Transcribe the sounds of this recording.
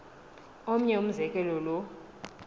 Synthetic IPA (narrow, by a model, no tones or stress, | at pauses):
om̩ɲɛum̩zɛkʼɛlɔlɔ